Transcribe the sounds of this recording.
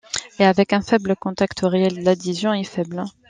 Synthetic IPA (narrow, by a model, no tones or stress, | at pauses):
eavɛkɛ̃fɛbləkɔ̃t̪akt̪əʁeɛld̪əlad̪izjɔ̃ifɛbl